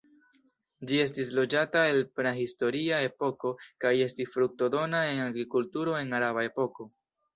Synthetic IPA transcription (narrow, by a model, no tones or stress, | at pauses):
d͡ʒie̞stislo̞d͡ʒatae̞lpnaɦisto̞ɾiae̞po̞ko̞kaje̞stisfɾuk̚to̞do̞nae̞naɡɾikultuɾo̞e̞naɾaβae̞po̞ko̞